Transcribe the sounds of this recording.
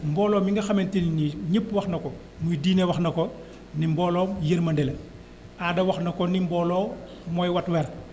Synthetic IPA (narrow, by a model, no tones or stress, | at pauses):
mbɔːlɔːmiŋɡɐxɐmentininiɲəpːwɐxnɐkɔ | mujdiːnewɐxnɐkɔ | nimbɔːlɔːmjəɾmɐndɛle | adɐwɐxnɐkɔnimbɔːlɔː | mɔjwɐtwɛːɾ